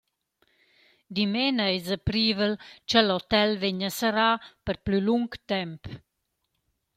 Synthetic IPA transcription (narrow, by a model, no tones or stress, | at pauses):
d̪imenəezəpɾiːvəlt͡ʃəlot̪ɛlveɲəsəɾapəɾplyluŋkt̪ɛmp